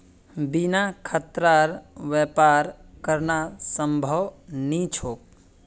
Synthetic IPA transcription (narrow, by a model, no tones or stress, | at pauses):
binakʰət̪ɾaɾʋjepaɾkəɾnasəmbʱəwnit͡ʃʰoːk̚